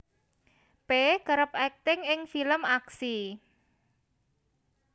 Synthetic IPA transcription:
pekəɾəpɛk̚t̪ɪŋɪŋfiləmaksi

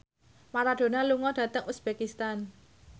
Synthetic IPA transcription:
maɾad̥o̤naluŋɔd̥ä̤t̪əŋusb̥ekist̪an

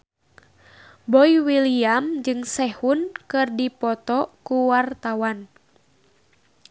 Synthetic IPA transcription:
bɔiwiliamd͡ʒɨŋsɛhunkɨrdipɔt̪ɔkuwart̪awan

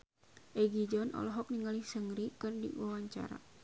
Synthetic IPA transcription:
ʔɛɡid͡ʒɔnʔɔ̰lɔɦɔk̚niŋalihsəŋɾikɨrdḭwawaɲt͡ʃa̰ɾa̰

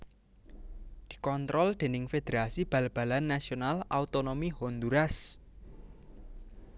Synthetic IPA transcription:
d̪̥i̥̤kɔnt̪ɾɔld̪̥e̤nɪŋfed̪̥eɾasib̥ä̤lb̥a̤lanːasionalaut̪onomiɦond̪uɾas

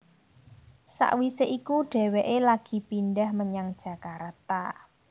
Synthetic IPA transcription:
sa̰ʔwiseʔikuɖ̥ɛ̤weʔelaɡ̥i̤pinɖahməɲaŋd̥ʒ̥ä̤kaɾt̪a̰

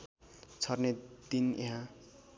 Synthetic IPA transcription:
t͡sʰʌrned̪ineɦã

